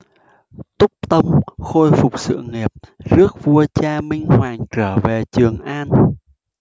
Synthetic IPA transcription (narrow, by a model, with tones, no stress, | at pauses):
t̪ʊ˦˥k͡p̚t̪ə˧wŋ͡mxo˧jfʊ˨˩k͡p̚sɨ̰˧˨əŋi˨˩əp̚zɨ˦˥ək̚vu˧ət͡ɕaː˧mï˧ŋ̟hwaː˨˩ŋt͡ɕəː˧˩ve˨˩t͡ɕɨ˨˩əŋʔaː˧n